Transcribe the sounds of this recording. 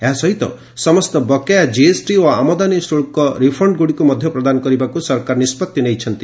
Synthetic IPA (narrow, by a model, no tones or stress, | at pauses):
eɦasɔɦit̪ɔ̰ | sɔmɔst̪ɔbɔkejad͡ʒiesʈioamɔd̪anisʈoɭkɔɾipʰɔɳɖɡuɽikumɔd̪ʱjɔpɾɔd̪anɔkɔɾibakusɔɾkaɾɔnispɔt̪jɔnejt͡ʃʰɔnt̪i